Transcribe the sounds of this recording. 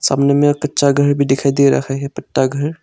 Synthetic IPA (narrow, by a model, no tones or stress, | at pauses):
sa̰ːmnemẽkɐtːʃaɡʱɐɾbʱid̪ɪkʰaid̪iɾɐ̰kʰaɦɛpɐʈːaɡʱɐɾ